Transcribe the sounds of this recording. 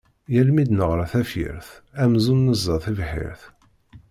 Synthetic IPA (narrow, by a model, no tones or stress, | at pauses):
jælmid̪nəʁɾˤaθæfjḭɾθæmzunːəzˤːɑθivħɪ̰ɾθ